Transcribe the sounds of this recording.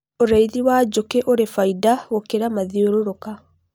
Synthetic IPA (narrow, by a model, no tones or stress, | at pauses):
oɾaiðiwaːd͡ʒokɛʔoɾefaidaɣokeɾamaðioɾoɾoka